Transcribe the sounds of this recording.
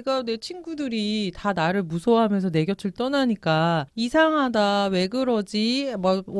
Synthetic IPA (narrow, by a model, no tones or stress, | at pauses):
eɡane̞t͡ɕʰinɡudɯɾitanaɾɯɭmusʰʌɦamjʌnsʰʌne̞ɡjʌt͡ɕʰɯɭt͈ʌnaɲik͈aisʰaŋɦadawe̞ɡɯɾʌd͡ʑima